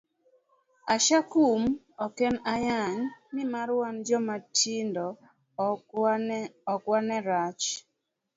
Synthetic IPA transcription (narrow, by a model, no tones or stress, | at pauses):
aʃakum | ɔkɛnajaɲmɪmaɾwand͡ʒɔmatʰindɔ | ɔkwanɛɾat͡ʃ